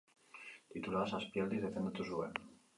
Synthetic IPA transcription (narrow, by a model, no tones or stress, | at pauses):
t̪it̪ulaðasaspjeld̪izðeθend̪ot̪usuen